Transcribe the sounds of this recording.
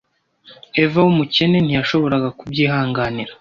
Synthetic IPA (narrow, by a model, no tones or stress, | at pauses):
e̞vawumuce̞ne̞n̥ijaʃo̞βo̞ɾaɡakub̚ɟiːɦaːŋɡaniɾa